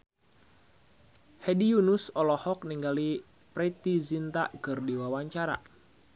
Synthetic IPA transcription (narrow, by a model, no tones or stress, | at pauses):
hɛdijunusɔlɔhɔk̚niŋɡali | pɾɛt̪izint̪a̰ʔkɨrdiwawaɲt͡ʃaɾa̰